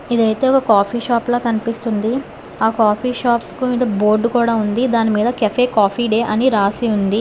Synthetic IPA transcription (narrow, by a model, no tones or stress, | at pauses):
id̪ɐjt̪e̞ːɔkɐkaːpʰiːʃaːploːkɐnipist̪und̪i | aːkaːpʰiːʃaːpkumiːd̪ɐbo̞ːɾɖkuːɽaːund̪id̪aːnimiːd̪ɐkɐpʰeːkaːpʰiːɖeːʔɐniɾaːsiund̪i